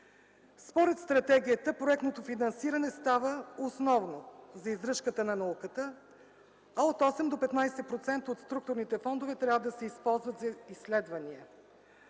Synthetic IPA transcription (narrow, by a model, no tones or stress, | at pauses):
spoɾɛt̪st̪ɾɐt̪ɛɡʲiət̪əpɾoɛkt̪not̪ofinɐnsiɾɐnɛst̪avəosnɔvnozɐizɾɤʃkət̪ənɐnɐukət̪ə | aot̪ɔsɛmd̪opɛt̪najsɛpɾot̪sɛnt̪əot̪st̪ɾuk̚t̪ʊɾnit̪ɛfɔnd̪ovɛt̪ɾʲavəd̪ɐsɛispɔlˠzvət̪zɐisːlɛd̪vɐniə